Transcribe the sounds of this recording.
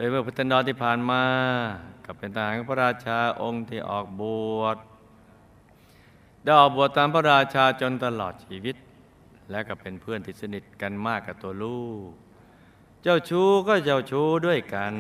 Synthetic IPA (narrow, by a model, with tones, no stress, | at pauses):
loː˧jmɯ˥˩ɐpʰt̪a˧ndɔː˧nt̪ʰiː˥˩pʰaː˨˩nmaː˧ka˧˩pe˧nt̪ʰa˧haː˨˦ka˧˩pʰa˥˩ɾaː˧t͡ɕʰaː˧ʔo˧ŋt̪ʰiː˥˩ʔɔ̰ː˨˩k̚bu˨˩ət̪̚ | da˥˩jʔɔː˨˩k̚bu˨˩ət̪ːaː˧mpʰa˥˩ɾaː˧t͡ɕʰaː˧t͡ɕo˧nt̪a˧lɔː˨˩t̪̚t͡ɕʰiː˧wi˦˥t̪̚ | lɛ˦˥kɔː˧˩pe˧npʰɯ˥˩ənt̪ʰi˧˩t̚sa˧ni˨˩t̪̚ka˧nmaː˥˩kːa˨˩t̪u˧ɐəluː˥˩k | t͡ɕa˥˩wt͡ɕʰuː˥kɔː˥˩t͡ɕa˧˩wt͡ɕʰuː˦˥du˥˩əjka˧n